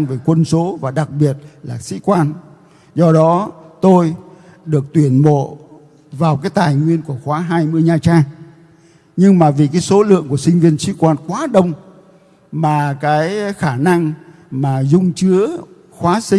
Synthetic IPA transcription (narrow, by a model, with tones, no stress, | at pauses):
ŋve˨˩kwə˧nso˨˦vaː˨˩ɗa˨˩k̚ɓi˨˩ət̚laː˨˩sḭ˧˥kwaː˧n | zɔ˧ɗɔ˨˦t̪o˧j | ɗɨ˨˩ək̚t̪wi˧˩ənmo̰˧˨ | vaː˨˩wkaː˨˦jt̪aː˨˩jŋwi˧ənku˧˩əxwaː˨˦ɦaː˧jmɨ˧əjɲaː˨˩t͡ɕaː˧ŋ | ɲɨ˧ŋmaː˨˩vi˨˩kaː˨˦jso˨˦lɨ̰˧˨əŋku˧˩əsï˧ŋ̟vi˧ənsḭ˧˥kwaː˧nkwaː˨˦ɗə˧wŋ͡m | maː˨˩kaː˨˦jxaː˧˩na˧ŋ | maː˨˩zʊ˧ŋ͡mt͡ɕɨ˨˦ə | xwaː˨˦si˧